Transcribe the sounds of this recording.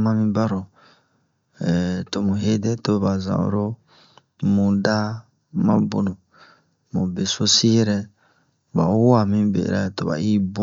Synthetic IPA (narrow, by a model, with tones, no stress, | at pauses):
mã˦mĩ˦ba˦ɾo˨ | ɛ˨to˨mũ˨he˦dɛ˦to˦ba˨zã̰˨o̰˨ɾo˦ | mũ˨da˦ | mã̰˦bo̰˨nõ˨ | mũ˨be˨so˦si˦jɛ˦ɾɛ˦ | ba̰˨o˦wo˦a˨mĩ˦bḛ˨ɾɛ˦to˨ba̰˨i˦bo˦